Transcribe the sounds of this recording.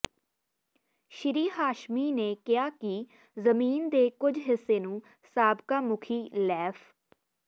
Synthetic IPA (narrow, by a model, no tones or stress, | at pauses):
ʃɪɾiːɦaːʃmiːneːkɪaːkɪ | zəmiːnd̪eːkʊd͡ʒɦɪsːeːnũː | saːbkaːmʊkʰiːlɛːpʰ